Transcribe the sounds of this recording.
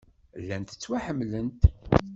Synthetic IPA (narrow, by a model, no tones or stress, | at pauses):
lːænt̪ə̥t͡sːwaħəmːlənt̪